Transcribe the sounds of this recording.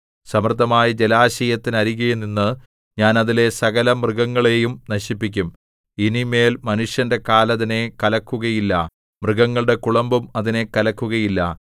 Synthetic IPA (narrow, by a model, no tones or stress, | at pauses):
sɐmrɨd̪ːɐmaːjɐd͡ʑe̞laːɕɐjɐt̪ːinɐɾiɣɐjuninːɨ | ɲaːnɐðile̞sɐɣɐlɐmrɨɣɐŋːɐɭe̞jumnɐɕipːik̬ʲːum | inime̞ːlmɐnuʂjɐnde̞kaːlɐðine̞kɐlɐkːuɣɐjilːɐ̰ | mrɨɣɐŋːɐɭɽe̞kuɭɐmbumɐðine̞kɐlɐkːuɣɐjilːɐ